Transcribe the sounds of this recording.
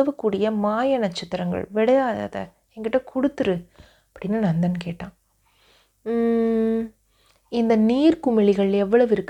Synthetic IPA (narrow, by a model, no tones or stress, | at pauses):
ɐʋɐkːuːɽɪjɐmaːjɐnɐt͡ʃːɪt̪ːɐɾɐŋɡɐ̰ɭʋɪɽɐjaːð̰ðɐ̰ | ɛŋɡɪʈːɐkʰʊɽɯt̪ːɯɾɯ | ɐpːɐɽɪnːanand̪ɐnɯkeːʈːãː | ɪnd̪ɐniːɾkʊmɪɭɪɣɐɭɛʋːɐɭɐʋɪɾɯkː